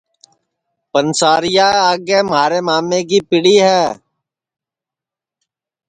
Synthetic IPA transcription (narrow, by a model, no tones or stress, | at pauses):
pənsaːɾɪjaːaːɡeːmɦaːɾeːmaːmːeːk̬iːpɪɽiːɦɛː